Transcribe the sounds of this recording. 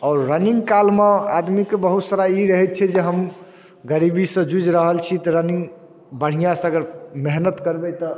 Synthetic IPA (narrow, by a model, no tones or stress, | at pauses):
ɔːɾːəniŋɡkalmead̪mikebəɦut̪saɾaiɾəɦɛt̪̚t͡ʃʰɛd͡ʒeɦəm | ɡəɾibisə̃d͡ʒud͡ʒɾəɦəlt͡ʃʰit̪ɔɾəniŋɡ | bəɽ̤ijãsə̃əɡəɾmeɦnət̪kəɾbɛt̪ɔ